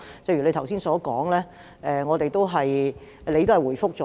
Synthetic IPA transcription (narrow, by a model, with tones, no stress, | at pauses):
pe˨˧kjyː˨˩le˧t̪ʰwsiː˥nsɔː˨˥kɔː˨˥ŋlɛː˥ | ʔɛː˨ŋɔː˨˧t̪e˨jt̪o˥wɦɐ˨j | le˨˧jt̪o˥hɐ˨jwuː˨˩jfʊ˥k̚t͡ʃɔː˨